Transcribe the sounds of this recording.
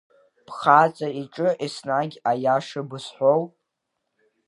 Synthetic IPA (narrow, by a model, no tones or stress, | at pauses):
pχat͡sʼariʈ͡ʂʼɨʔisnaɡʲajaʂɨbɨsħʷow